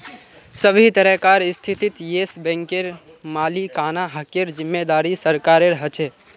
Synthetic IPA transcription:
səbʱit̪əɾəɦkaɾst̪ʰit̪it̪jesbɛ̃ŋkeɾ | maːlikaːnaɦəkeɾd͡ʒimːed̪aɾisəɾkaɾeɾəɦət͡ʃʰɛ

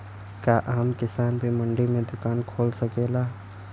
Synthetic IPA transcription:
kaʔaːmkɪsaːnbʱimɐɳɖimẽd̪ʊkaːnkʰoːlsɐkeːlaː

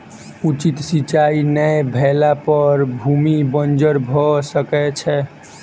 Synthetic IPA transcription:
ut͡ʃit̪sit͡ʃainəjbʱelapəɾbʱumibənd͡ʒəɾbʱɔsəkɛt͡ʃʰɛ

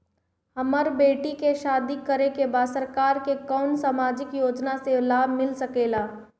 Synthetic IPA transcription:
hɐməɾbeːʈikeʃaːd̪ikəɾekebaːsəɾkaːɾkekɔːnsaːmaːd͡ʒɪkjoːd͡ʒnaselaːbʱmɪlsəkeːlaː

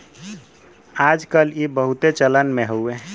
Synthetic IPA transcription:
ad͡ʒkəlibəɦut̪et͡ʃələnmeɦowe

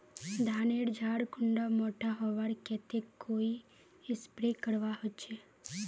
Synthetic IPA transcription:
d̪ʱaːneɽd͡ʒʱaɽkʊɳɖamoʈaɦɔʋaɽket̪ekːoːi | ɪspɾekəɽʋaɦot͡ʃʰe

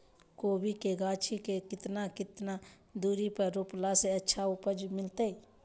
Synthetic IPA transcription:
koːbikeɡaːt͡ʃʰikekɪt̪nakɪt̪na | d̪uːɾipəɾoplaseətːʃʰaʊpəd͡ʒmɪlt̪ei

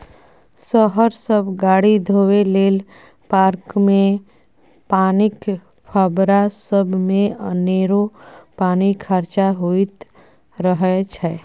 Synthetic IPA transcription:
səɦəɾsəbɡaːɽid̪ʱoːweleːl | paːɾkmẽ | paːnɪk | pʰaːbɾasəbʱmẽəneːɾopaːnikʰəɾt͡ʃaɦoit̪ | ɾəɦt͡ʃʰɛː

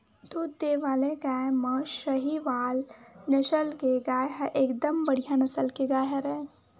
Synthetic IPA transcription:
d̪uːd̪d̪eʋaːleɡaːmə̃ʃəɦiʋaːlnɐʃəlkeɡaːjɦəʔeːkd̪əmbɐɽ̤ijanɐsəlkeɡaːjɦəɾɛ̃

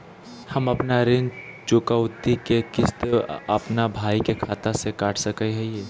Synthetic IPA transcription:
hɐmɐpnaɾɪnt͡ʃʊːkaʊd̪ikekɪst̪ɐpnabʱaːikekʰaːt̪ãsekaːʈʰsɐkəiɦɛjeː

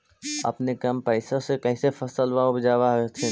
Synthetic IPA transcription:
ɐ̰pnekɐmpəɪsõsekɛːɪsefʰɐsəlʋaːõbd͡ʒaːʋaɦet̪ʰe

